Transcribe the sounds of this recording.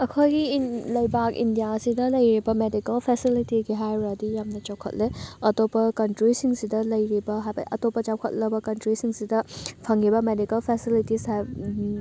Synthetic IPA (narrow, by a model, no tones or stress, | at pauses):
ɐkʰojɡilɐjbak̚ḭndijasidɐlɐjɾibɐmedikɐlpʰesilitiɡiɦajɾadijamnɐt͡ʃɔwkʰɐ̰t̚leɐtopɐkɐntɾisiŋsidɐlɐjɾibɐɦajbɐ̰ʔɐ̰topɐt͡ʃawkʰɐ̰t̚lɐbɐkɐntɾisiŋsidɐpʰɐŋibɐmedikɐlpʰesilitisaj